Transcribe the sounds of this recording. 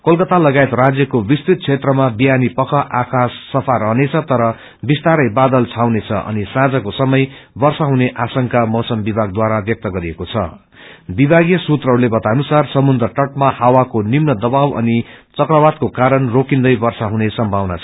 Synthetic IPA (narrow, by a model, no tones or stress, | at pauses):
kolkʌt̪alʌɡaet̪rad͡zjʌkobist̪it̪̚t͡sʰet̪rʌmabijanipʌkʰʌʔakʰasːʌpʰaɾʌɦnet͡sʰʌt̪ʌɾʌ | bist̪aɾʌjbad̪ʌlt͡sʰawnet͡sʰʌʔʌ̰nisãd͡zakosʌmʌjbʌrsaɦuneʔasʌŋkamʌwsʌmbibʱaɡ̚d̪waɾabjʌk̚t̪ʌɡʌɾiekot͡sʰʌ̰ | bibʱaɡijʌsut̪rʌɦʌɾulebʌt̪anusarsʌmund̪rʌʈʌʈ̚mahawakonimnʌd̪ʌbawʌ̰nit͡sʌkrʌwat̪̚kokaɾʌnrokind̪ʌjbʌrsaɦunesʌmbʱawna̰t͡sʰ